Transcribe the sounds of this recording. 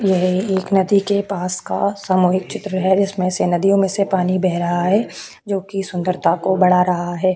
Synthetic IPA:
jɛɦeːknɐd̪ikepaːska̰saːmuːɦɪk̚t͡ʃɪt̪ɾəɦɛd͡ʒɪsmẽsenɐd̪ijõmẽsepaːnibɛɦɾɐɦaɦɛː | d͡ʒoːkisʊ̃nd̪əɾt̪ʰakobɐɽ̤aɾɐɦaɦɛː

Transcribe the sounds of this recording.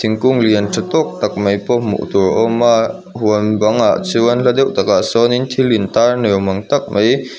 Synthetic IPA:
t̪ʰiŋkuŋliəntʰat̪ɔk̚t̪ak̚məjpɔmṵʔt̪uɹʔɔma | huənbaŋaʔt͡suənlad̪ewʔt̪akasɔnint̪ʰilint̪anɛwmɐŋt̪ak̚mʔəj

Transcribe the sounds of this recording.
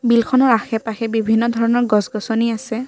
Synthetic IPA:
bilkʰɔnɔɹaxɛpaxɛbibʱinːɔdʱɔɹɔnɔɹɡɔsɡɔsɔniasɛ

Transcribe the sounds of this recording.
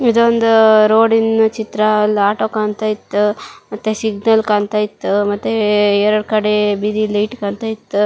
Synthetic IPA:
id̪ond̪uɾoːɽint͡ʃit̪ɾɐlaːʈoːkaːnt̪aːjit̪ːumɐt̪ːesiɡnɐlkaːnt̪aːjit̪ːumɐt̪ːeɛɾɐɽkɐɽebid̪ilɐjʈkaːnt̪aːjit̪ːu

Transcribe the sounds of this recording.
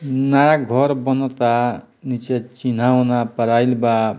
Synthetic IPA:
naɾaɡʱɔɾbɔnɔt̪a | nit͡ʃet͡ʃin̤aɦonapəɾajlba

